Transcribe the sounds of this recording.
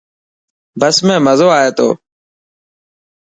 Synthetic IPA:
bəsmɛ̃ːməzoːaːɦeːt̪o̰ː

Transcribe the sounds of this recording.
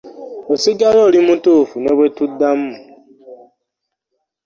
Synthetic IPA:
osiɡalolimutufuneβwetudːam̩mu

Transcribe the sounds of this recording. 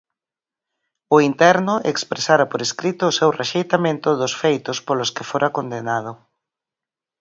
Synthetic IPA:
ʊint̪ɛɾnʊʔḛkspɾesaɾɐpoɾeskɾit̪ʊːsewreʃejt̪amẽnt̪ʊðʊsfejt̪ʊspolʊskɪfoɾʔakond̪enað̞ʊ

